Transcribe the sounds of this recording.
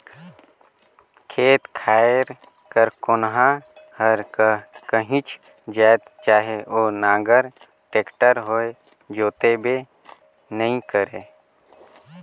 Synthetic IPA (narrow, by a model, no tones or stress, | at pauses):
kʰeːt̪kʰaːeɾ | kəɾkʊnɦãhəɾkəɦĩt͡ʃʰ | d͡ʒaːet̪t͡ʃaːɦeoːnãːŋɡəɾ | ʈeːkʈəɾɦoːe | d͡ʒoːt̪ebʱe | nəĩkəɾeː